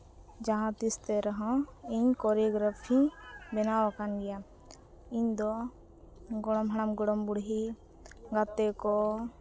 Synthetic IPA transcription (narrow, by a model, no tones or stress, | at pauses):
d͡ʒaɦãt̪ist̪ɛɾɔɦɔ̃iɲkɔɾiɡɾɔpʰiɲbɛnawakanɡɛja | iɲd̪ɔ | ɡɔɽɔmɦaɽ̃amɡɔɽɔmbuɽɦi | ɡat̪ɛkɔ